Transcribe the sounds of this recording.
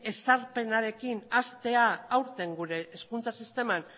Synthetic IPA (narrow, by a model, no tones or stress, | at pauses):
e̞saɾpe̞naɾe̞kinast̪e̞aːwɾt̪e̞ŋɡuɾe̞ʔːskunt͡sasist̪e̞man